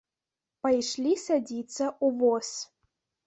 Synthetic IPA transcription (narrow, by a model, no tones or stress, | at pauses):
pɐjʂlʲisad͡zʲit̪sɐʔuvos